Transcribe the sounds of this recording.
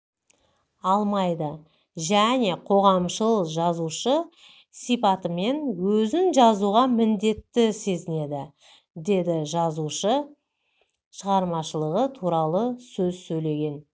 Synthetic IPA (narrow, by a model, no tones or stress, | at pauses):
ɑlˠmɑjd̪ə | ʒæne̞qʰo̞ʁɑmʃəlˠəqʒɑzuʃə | sipɑt̪əme̞nwɵzɪnʒɑzuʁɑmɪnd̪e̞t̪ːɪse̞zɪne̞d̪ɪ | d̪e̞d̪ɪʒɑzuʃə | ʃəʁɑɾmɑʃəlˠəʁət̪ʰuɾɑlˠəsɵzsɵjle̞ɡʲe̞n